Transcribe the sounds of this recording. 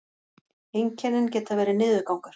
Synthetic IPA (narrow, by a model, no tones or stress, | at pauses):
ejɲcʰɛɾðɪncɛːt̪avɛːɾɪnɪːðʏkawŋkʏɾ̥